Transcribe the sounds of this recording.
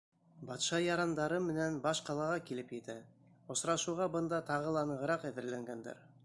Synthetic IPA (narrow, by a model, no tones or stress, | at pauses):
bɑt̪ʃɑjɑɾɑnd̪ɑɾɤmɘ̆nænbɑʃqɑlˠɑʁɑkilɘpjɘ̆t̪æ | ŏsɾɑʃuʁɑbɤ̆nd̪ɑt̪ɑʁɤ̆lˠɑnɤ̆ʁɤ̆ɾɑqæðɘ̆ɾlæŋɡænd̪æ̰ɾ